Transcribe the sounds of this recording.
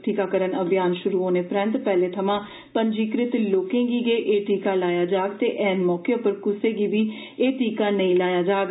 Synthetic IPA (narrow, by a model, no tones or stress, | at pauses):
ʈiːkaːkəɾənəbɪjaːnʃʊɾuːɦoːneːpɾɛ̃nt̪pɛːleːt̪ʰəmãː | pəɲd͡ʒiːkɾɪt̪loːkẽːɡiːɡeːʔeːʈiːkaːlaːjaːd͡ʒaːɡt̪eːʔɛːnmɔːkeːopəɾkʊseːɡiːʋiː | eːʈiːkaːnəĩːlaːjaːd͡ʒaːɡ